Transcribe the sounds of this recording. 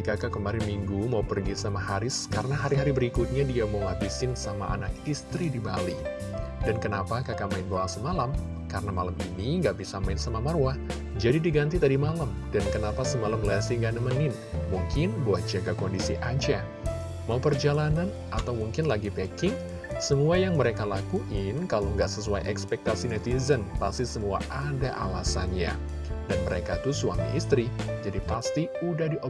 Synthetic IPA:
ikakakəmaɾɪnmiŋɡumaupərɡisamaɦaɾɪskaɾənaɦaɾiɦaɾibəɾikut̪̚ɲadiamaulabisɪnsama̰ʔa̰nakist̪ɾidibali | dankənapakakamaɪnbawasəmalam | kaɾənamalamḭniŋɡaʔbisamaɪnsamamarwah | d͡ʒadidiɡant̪it̪adimalam | dankənapasəmalamlɛsiŋɡanəmənɪn | muŋkʰɪnbawat̪̚d͡ʒaɡakɔndisiʔaɲt͡ʃa | maupərd͡ʒalanan | ʔat̪awmuŋkɪnlaɡipekɪŋ | səmuajaŋməɾekalakuʔɪnkalaŋɡaʔsəsuajʔɛkspɛk̚t̪asinɛt̪izənpa̰st̪isəmua̰ʔadaʔalasa̰nɲa̰ | danməɾekat̪usuaŋdḭʔist̪ɾid͡ʒadipast̪iudahdiʔ

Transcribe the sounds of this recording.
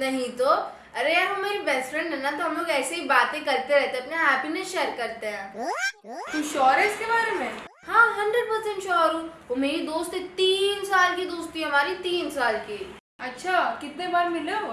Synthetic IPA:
nɐɦĩt̪o | ɐɾeɛʋɐmeːɾibɛːsfɾɛ̃ɳɖɦɛnat̪oɦɐmloːɡɛːseɦibaːt̪ẽkɐɾt̪eɾɛɦt̪ẽɐpnaɦɛːpinesʃeːəɾkɐɾt̪eɦɛ̃ː | t̪ũʃɔːɾɦɛɪskebaːɾemẽːhãːɦɐ̃ɳɖɾəɖ̚pɐɾsɛ̃ɳʈʃɔːɾũːomeːɾid̪oːst̪ɦɛt̪iːnsaːlked̪oːst̪iɦɐmaːɾit̪iːnsaːlke | ɐtːʃʰakɪt̪nebaːɾmɪleo

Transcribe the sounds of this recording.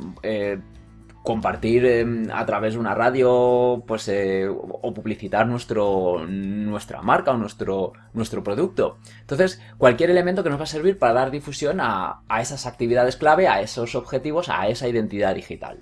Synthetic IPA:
e | ko̞mpaɾt̪iɾema̰t̪ɾaβe̞zðunaraðjo̞pwe̞seopuβliθit̪aɾnwest̪ɾo | nwe̞st̪ɾa̰maɾkaonwest̪ɾo | nwe̞st̪ɾo̞pɾo̞ðuk̚t̪o̞ | nt̪o̞nθe̞s | kwalkje̞ɾe̞lemẽnt̪o̞kenozβase̞ɾβ̞iɾpaɾaðaɾðifusjo̞na̰ːe̞sasak̚t̪iβiðað̞e̞sklaβ̞e̞a̰e̞so̞so̞βxe̞t̪iβ̞o̞sa̰e̞saiðe̞nt̪iðaðixit̪a̰l

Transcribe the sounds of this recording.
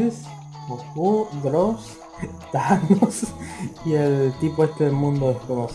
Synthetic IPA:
s | okudɾos | t̪anosielt̪ipoest̪eelmũnd̪oeskomos

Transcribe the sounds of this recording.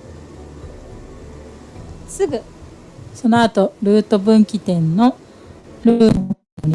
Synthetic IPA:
sɨɡɯ̟ | so̞noat̪o̞ɾɯːt̪o̞bɯ̟̃ŋkʲit̪ẽ̞nno̞ | ɾɯː | oɾʲi

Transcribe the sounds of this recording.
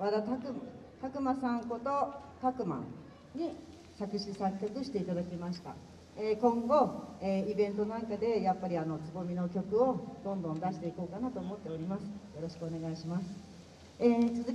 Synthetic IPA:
βad̪at̪akɯ̟m | t̪akɯ̟masãŋko̞t̪o̞t̪akɯ̟ma̰ | ɲ̟i | sakɯ̟ɕisakʲːakɯ̟ɕi̥t̪e̞it̪ad̪akʲimaɕi̥t̪a̰ | ekõ̞ŋɡo̞eːibẽ̞nt̪o̞nãŋkad̪e̞japːaɾʲiano̞t͡sɨɡo̞mʲino̞kʲo̞kɯ̟o̞d̪õ̞nd̪õ̞nd̪aɕi̥t̪e̞iko̞ːkanat̪o̞ːmo̞t̪ːe̞o̞ɾʲimasɨ̥jo̞ɾo̞ɕi̥kɯ̟one̞ɡaiɕimasɨ̥ | eːt͡sɨzɨ

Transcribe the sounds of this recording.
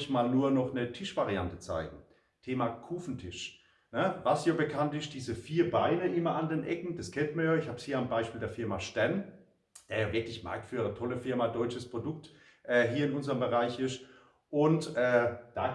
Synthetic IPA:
çmaːlnuːɐnɔχnətʰɪʃv̥aʁiantə̥t͡sa̰ɪɡŋ̩ | tʰeːmakʰuːfn̩tʰɪʃ | nəvasjaːbəkʰantɪst̚d̥iːzəfiːɐbaɪnəʔɪmɐandeːnʔɛkŋ̩d̥askʰɛntmɐjaːɪçhaːbshiːɐanbaɪʃpiːldeːɐfɪɐmaʃtɛn | d̥eːɐjaːvɪɐklɪçma̰ɐk̚tfyːʁətʰɔləfɪɐmadɔʏt͡ʃəspʁ̥odʊk̚t | ʔɛːɦiːɐɪnʊnzəʁəmbəʁaɪçɪst | ʔʊntʔɛːd̥a̰ː

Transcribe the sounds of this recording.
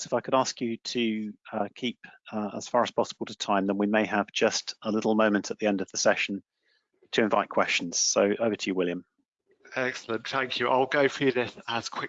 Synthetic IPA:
ɪfaɪkəɾɑˑskjɨtʰəʌkʰiˑpəə̰z̥fɑːɹəz̥pʰɒsəbəl̩ˠtʰətʰãɪ̃mðə̃nwimeɪəvd͡ʒʌstəlɪɾˡl̩ˠmə̃ʊ̃mə̃ntʰəʔðiɛ̃ndəvðəsɛʃə̃n̩ | tʰəɪ̃ɱvaɪʔ̚kʰw̥ɛst͡ʃə̃n̩z̥səʊʔəʊvətʰɨjəwɪlˠjə̃m | ɛksələ̃nθæ̃ŋkʰjʉʔa̰ɪlˠɡəʊfɨðɪsəz̥kʰw̥ɪk

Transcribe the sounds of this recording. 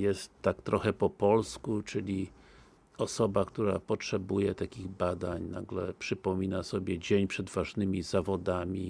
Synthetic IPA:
jɛst̪ːakt̪ɾɔxɛpɔpɔlskut͡ʂɘlʲi | ɔsɔbakt̪uɾapɔtʂɛbujɛt̪akʲiɣbad̪aɲnaɡlɛpʂɘpɔmʲinasɔbʲjɛd͡ʑeɲpʂɛd̪vaʐnɘmʲizavɔd̪amʲi

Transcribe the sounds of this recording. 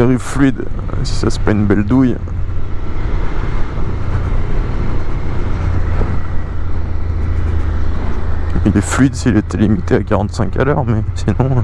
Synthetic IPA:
eʁivflɥid̪ | si̥sase̥paynbɛld̪uj | ilɛflɥid̪silet̪ʰɛlimit̪eakaʁɑ̃t̪sɛ̃kalœʁmɛsinɔ̃

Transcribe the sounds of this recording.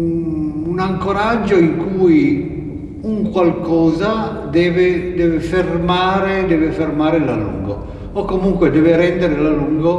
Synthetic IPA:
unaŋkoɾad͡ʒːoiŋkuːj | uŋkwalkɔːza | d̪ɛːved̪ɛːvefermaːɾed̪ɛːvefermaːɾela̰lṵŋɡo̰ | okːomuŋkwed̪ɛːveɾɛnd̪eɾelaluŋɡo

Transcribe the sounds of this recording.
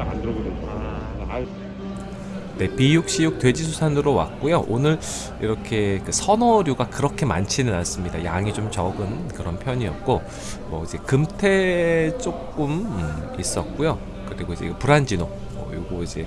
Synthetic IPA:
andɡ | a | ne̞pijuk̚ɕ͈ijuk̚twe̞d͡ʑisʰusʰanɯɾowa̰t̚k͈ujoʔonɯɭ | ḭɾʌkʰe̞kɯsʰʌnʌɾjuɡakɯɾʌkʰe̞ma̰nt͡ɕʰinɯnas͈ɯmɲidajaŋit͡ɕomt͡ɕʌɡɯnkɯɾʌnpʰjʌɲiʌt̚k͈o | mwʌid͡ʑe̞kɯmtʰe̞t͡ɕ͈ok͈ɯmɯis͈ʌt̚k͈ujo | kɯɾiɡoid͡ʑe̞̰puɾand͡ʑino | mʌ̰joɡoid͡ʑe̞

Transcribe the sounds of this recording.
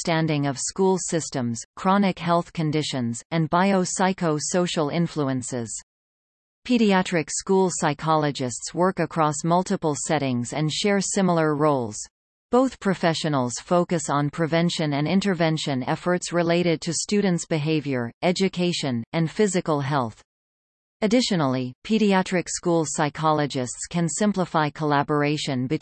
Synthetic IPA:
stæ̃ndɪ̃ŋʌv̥skulˠsɪstə̃mz̥kʰɹ̥ɑnɨkɦɛlˠθkʰɨ̃ndɪʃɨ̃nzɨ̃nbaɪoʊsaɪkoʊsoʊʃl̩ˠɪ̃ɱfluə̃nsɪ̰z̥ | pʰiɾiæt͡ʃɹ̥ɨkskulˠsaɪkʰɑlˠəd͡ʒɨstswɜ˞kɨkʰɹ̥ɔsmʌlˠtɨpl̩ˠsɛɾɪ̃ŋzɨ̃nʃɛɹsɪ̃ml̩ˠə˞ɹoʊlˠz̥ | b̥oʊθpʰɹ̥ɨfɛʃɨnl̩ˠz̥foʊkɨsn̩pʰɹ̥ɨvɛ̃nʃɨ̃nɨ̃nɪ̃ntə˞vɛ̃nʃɨ̃nɛfə˞tsɹɨleɪɾɨd̚tʰɨstʉdⁿn̩tsb̥ɨɦeɪvjə˞ɛd͡ʒɨkʰeɪʃɨ̃nɨ̃nfɪzɨkl̩ˠɦɛlˠθ | ɨdɪʃɨnl̩ˠipʰiɾiæt͡ʃɹ̥ɨkskulˠsaɪkʰɑlˠɨd͡ʒɨstskʰɨ̃nsɪ̃mpləfaɪkʰəlæbə˞eɪʃɨ̃nbɨ

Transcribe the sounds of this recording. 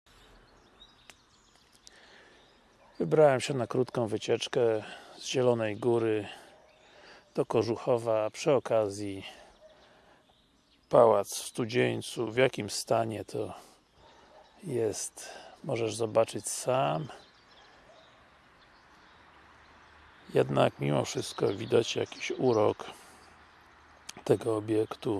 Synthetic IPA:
vɘbɾawɛmɕɛnakɾut̪kɔ̃w̃vɘt͡ɕɛt͡ʂkɛzʑɛlɔnɛjɡuɾɘ | d̪̥ɔkɔʐuxɔvapʂɘɔkazʲji | pawat̪sfst̪ud͡ʑeɲt̪suvjakʲimst̪aɲɛt̪ʰɔ | jɛst̪mɔʐɛʐzɔbat͡ʂɘt͡ɕsam | jɛd̪nakmʲimɔfʂɘst̪kɔvʲid̪at͡ɕja̰kʲi̥ɕuɾɔk | t̪ɛɡɔːbʲjɛkt̪u

